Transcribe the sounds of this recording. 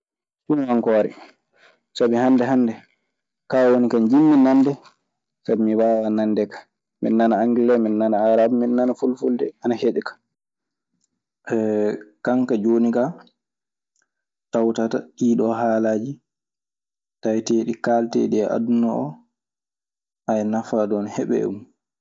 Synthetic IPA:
t͡ʃunwaŋkɔːɾɛ̰ | sabihandɛɦandɛ | kawonikand͡ʒimːinandɛ | sabimibawanandɛkḁ | mḭnːanaaŋɡilɛminːanaaɾabminːanafulfuldɛ̰anaheɗɛkḁ | ʔɛkaŋkad͡ʒonika | tawtataɗiːɗɔɦaːlad͡ʒi | tajteːɗikaːltḛɗiɛʔa̰dunaɔ | ʔajnafadɔnhɛɓɛ̰ɛ̰mu

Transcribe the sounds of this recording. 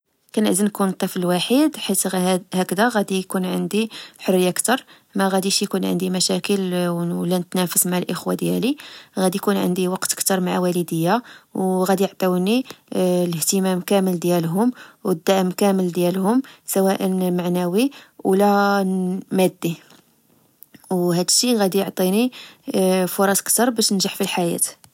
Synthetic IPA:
kænəʕzinkunt̪ˤːifləlwaħid̪ħit̪hækd̪æɣæd̪ijkunʕənd̪iħʊrːəjːakt̪ɑɾˤ | mæɣæd̪iʃjkunʕə̰nd̪imæʃækəllːænət̪næfəsmaʕlʔəxwad̪jæliɣæd̪ijkunʕə̰nd̪iwɑqt̪ə̥kt̪ɑɾˤmaʕawæləd̪əjːawɣæd̪ijəʕt̪ˤɑwniləht̪əmæmkæməld̪jælɦʊmwəd̪ːaʕəmkæməld̪jælhʊmsæwæʔənmaʕnæwiwlæ | mæd̪ːi | whæd̪əʃːiɣæd̪ijoʕt̪ˤini | fʊɾˤɑsəkt̪ɑɾˤbæʃnəʒaħfilħajæ̰t̪

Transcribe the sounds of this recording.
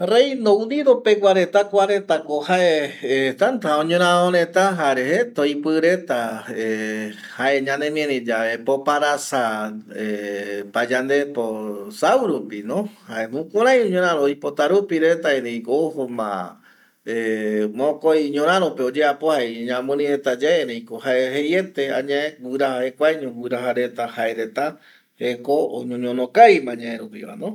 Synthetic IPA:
rejnoũniɾopeɡʷaɾe̞t̪akʷaɾe̞t̪akohaeet̪ant̪ãõɲõɾ̃ãoɾẽt̪aɦaɾeɦet̪ojpɨɾe̞t̪ae | haʔe̞ɲãnemjẽɾẽd͡ʒaʋepopaɾasaepad͡ʒand̪e̞posawɾupinõhaemũkuɾ̃ãj̃õɲoɾãɾ̃ojpot̪aɾupiɾe̞t̪aeɾeĩkoohomã̰ | emõkojɲõɾ̃ãɾopeod͡ʒeapohaɲãmũɾĩet̪ad͡ʒaeɾejkohaeɦejet̪eaɲãẽwɨɾahahekʷajɲũwɨɾaɦaɾe̞t̪ahaeɾe̞t̪a | ekoo̰ɲõɲonõkajmãɲãẽɾupḭwa̰nõ

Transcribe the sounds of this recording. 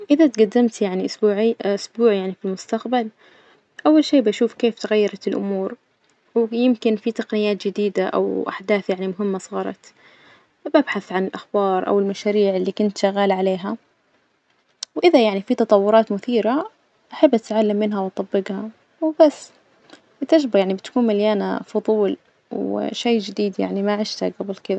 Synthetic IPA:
ʔɪðat̪ɡad̪ːɪmt̪jaʕniʔʊsbuːʕiʔʊsbuːʕjaʕnifilmʊst̪aqbal | ʔawːalʃeːbaʃuːfkeːft̪aɣajːɑɾˤɑt̪ɪlʔʊmuːɾ | wjɪmkɪnfit̪ɑqnɪjaːt̪d͡ʒɪd̪iːd̪aʔa̰wʔa̰ħd̪aːθjaʕnimʊɦɪmːasˤɑːɾˤɑ̰t̪ | babħaθʕanɪlʔaxbɑːɾˤʔa̰wɪlmaʃaːɾiːʕɪlːiːkʊnt̪ʃaɣːaːlʕaleːɦa | wʔɪðajaʕnifit̪ɑt̪ˤɑwːʊɾˤɑːt̪mʊθiːɾa | ʔaħabːʔat̪ʕalːamːɪnɦawɑt̪ˤːɑbːɪɡha | wbasː | bɪt̪ad͡ʒbajaʕnibɪt̪ḁkuːnmaljaːna̰fʊðˤuːl | wʃejːd͡ʒɪd̪iːd̪ja̰ʕnimaʕɪʃt̪aɡabɪlkɪða

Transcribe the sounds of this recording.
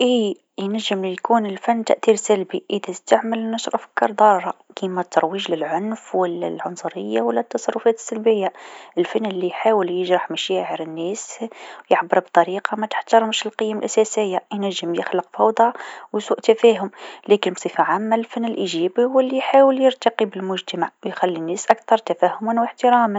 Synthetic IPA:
ʔi | jnæʒːəmlijkunəlfænːt̪a̰ʔθiɾsælbiʔəd̪æst̪aʕməlnɑʃɾˤʔfə̥kːɑɾˤd̪ˤɑɾˤɾˤɑkimæt̪ːɑɾˤwiʒlɪlʕʊnfwəlːæ̰lʕʊnsˤʊɾəjːawəlːæt̪ːɑsˤɑrˤːʊfæt̪ə̥sːælbəjːaəlfænːəlːijħawəljəʒɾˤɑħmæʃæʕəɾənːæswjəħbəɾˤbt̪ˤɑɾiqɑmæt̪ə̥ħt̪ɑɾˤəmʃəlqəjːæmlʔæsæsəjːajnæʒːəmjəxləqfɑwd̪ˤɑwjsuːʔt̪æfæhʊmlækənbsˤifaʕamːælfænːəlʔiʒæbiʊwəlːijħawəljəɾt̪ɑqibəlmʊʒt̪amaʕwjxælːinːæsʔækt̪ɑɾˤt̪æfæhʊmunwəħt̪əɾɑm

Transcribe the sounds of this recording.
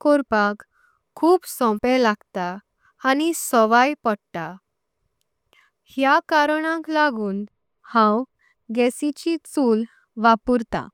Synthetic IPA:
koɾpakʰː | uːpsɔ̃pɛ̃laɡt̪aː | nisɔʋajpəɽt̪a | hjakaɾɳãklaɡuːn | hãw | ɡɛsit͡ɕit͡suːl | ʋapuɾt̪a̰

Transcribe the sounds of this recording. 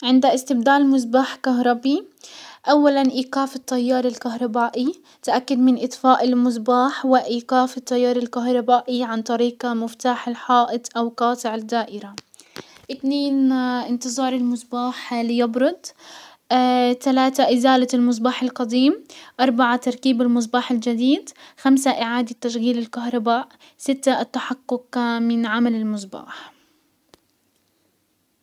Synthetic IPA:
ʕɪnd̪aʔɪst̪ɪbd̪aːlmʊzbaːħkaɦɾˤɑbiʔawːalanʔiːqaːfɪt̪ˤːɑjːɑːɾˤɪlkaɦɾˤɑbaːʔi | t̪ʔakːad̪mɪnʔɪt̪ˤfaːʔɪlmʊzbaːħwɪʔiːqaːfɪt̪ˤːɑjːɑːɾˤɪlkaɦɾˤɑbaːʔiʕant̪ˤɑɾiːqamɪft̪aːħɪlħɑːʔɪt̪ʔawqɑːt̪ˤɪʕɪd̪aːʔɪɾa | ʔɪt̪neːnʔɪnt̪ɨzˤɑːɾˤɪlmʊzˤbaːħlijɑbɾʊd̪ˤ | t̪alaːt̪aʔɪzaːlalmʊz̬baːħalqɑd̪iːmʔɑɾˤbaʕat̪ɑɾˤkiːbɪlmʊz̬baːħɪld͡ʒad̪iːd̪xamsaʔɪʕaːd̪at̪ːaʃɣiːlɪlkaɦɾˤɑbaːʔ | sɪt̪ːat̪ːaħaqːʊqmɪnʕamalɪlmʊzba̰ːħ

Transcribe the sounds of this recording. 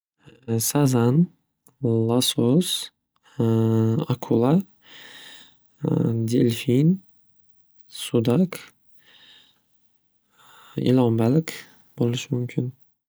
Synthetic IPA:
sazan | lˠasos | akʰulˠa | d̪elfin | sud̪ak | ḭlˠɒmbalk | bolˠuʃmʊmkʲʰin

